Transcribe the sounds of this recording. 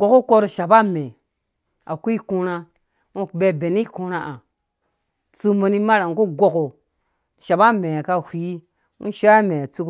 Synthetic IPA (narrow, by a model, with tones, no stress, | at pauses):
ɡo˨ko˦ko˦ɾo˨ʃa˨ba˦me˨ | a̰˨ku˦i˦ku˦ɾa˦ | u˦˨be˦be˨ni˦ku˦ɾa˦ʔa˨ | t͡su˦mo˨ni˦ma˦ɾa˨ŋ˨ku˦ɡo˦ko˨ | ʃa˨ba˦me˨a˨ka˦hʷi˨˦ | ṵ˦ʃa˦a˦me˨a˨t͡su˦k